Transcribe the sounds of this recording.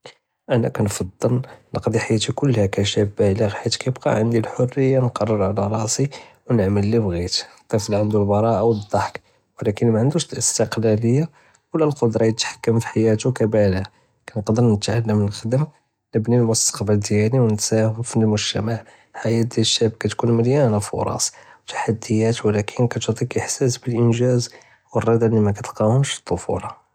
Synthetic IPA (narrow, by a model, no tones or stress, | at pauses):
ʔænækænfɑd̪ˤːəlnəqd̪iħajːæt̪ikʊlːhækæʃæbːæləɣħit̪kæjəbqɑ̰ʕənd̪ilħorːəjːanqɑrˤːəɾˤʕalæɾˤɑʔsˤiwnəʕməlːibɣit̪t̪ˤːifliʕənd̪ulbɑɾˤɑʔawəd̪ˤːɑħk | wəlækənmæʕənd̪uʃləst̪əqlæləjːa | wlælqod̪ɾˤɑjət̪ħḁkːəmfi̥ħajæt̪ukæbælhæ | kænəqd̪əɾnət̪ʕəlːəmnəlxəd̪əm | nəbnilmʊst̪ə̥qbæld̪jæniwnət̪sæhəmfinlmʊʒt̪æmaʕ | ħajæd̪iælʃæb̚kæt̪kunməljænfʊ̰ɾˤɑ̰swt̪ḁħad̪ːəjæt̪wlækʰənkæt̪ut̪ˤikʔəħsæsbəlʔənʒæz | wərˤːɑd̪ænimækæt̪qɑwəmʃə̥t̪ˤːofṵlɑ